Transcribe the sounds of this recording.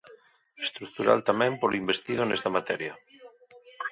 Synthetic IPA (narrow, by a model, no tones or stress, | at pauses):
est̪ɾukt̪uɾa̰lt̪amẽmpoloimbest̪ið̞onest̪amat̪ɛɾja